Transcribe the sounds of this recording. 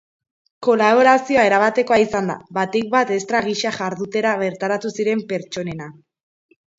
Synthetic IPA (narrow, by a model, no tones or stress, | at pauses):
ko̞laβ̞o̞ɾasio̞ae̞ɾaβat̪e̞ko̞aisand̪a̰βat̪ek̚bat̪e̞st̪ɾaɣ̞iʃaʝaɾðut̪e̞ɾaβe̞ɾt̪aɾat̪usiɾe̞mpe̞ɾt͡ʃo̞ne̞na